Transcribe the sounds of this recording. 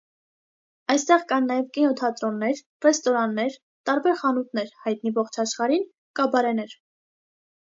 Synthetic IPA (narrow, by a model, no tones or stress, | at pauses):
ɑjst̪ɛʁkɑnːɑjɛvkinɔt̪ʰɑt̪ɾɔnːɛɾ | rɛst̪ɔɾɑnːɛɾ | t̪ɑɾbɛɾχɑnut̪ʰnɛɾhɑjt̪nivɔχt͡ʃʰɑʃχɑɾin | kɑbɑɾɛnɛɾ